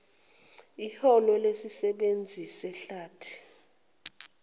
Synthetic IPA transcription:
ihɔlɔlesisɛɓend͡zʱisɛɬaːtʰi̥

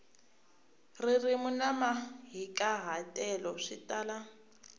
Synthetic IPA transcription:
ririmunamaɦikʼaɦatʼɛlɔʂitʼaːla

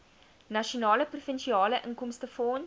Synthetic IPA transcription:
nɐʃionɑːləprofənʃiɑːləʔəŋkɔmstəfɔːn

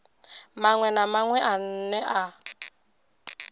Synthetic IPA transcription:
maŋwɛnamaŋwɛʔan̩nɛʔa

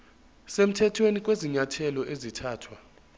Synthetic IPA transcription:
sem̩tʰɛtʰwenik̬ʼweziɲatʰɛlɔʔezitʰaːtʰwa

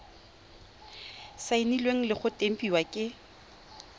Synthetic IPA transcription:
saɪnilweŋ̩lɪχʊtʼem̩pʼiwakʼɪ

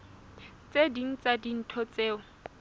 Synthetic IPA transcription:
t͡sedin̩t͡sadin̩tʰɔt͡seːɔ

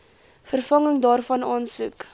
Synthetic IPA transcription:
fərfɐŋəŋdɑːrfɐnɑːnsuk

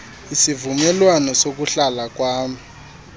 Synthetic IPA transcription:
isivumɛlwanɔsok̬uɬalak̬ʼwaːmi

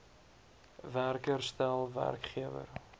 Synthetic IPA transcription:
værkərstælˠvæ̰rkχiəvə̰r

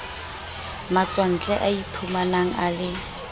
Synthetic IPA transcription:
mat͡sʼwan̩t͡ɬʼɛʔaipʰumanaŋ̩alɪ

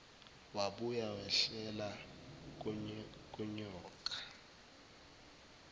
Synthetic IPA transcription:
waɓujawɛɬɛla | k̬ʼuɲɔːk̬ʼḁ

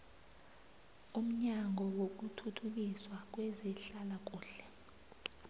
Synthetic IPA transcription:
um̩ɲaŋʱɔwok̬utʰutʰuk̬iswak̬wɛziɬalak̬uːɬɛ̥

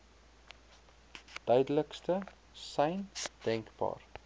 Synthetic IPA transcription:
d̥œɥdələkstə | sɛjnd̥ɛŋkbɑ̰ːr

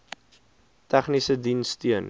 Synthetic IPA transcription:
tæχnisədinstyən

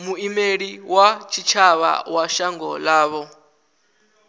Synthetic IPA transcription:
muimeɺiwat͡ʃʰit͡ʃʰaβa̰waʃaŋɡɔlaːβɔ

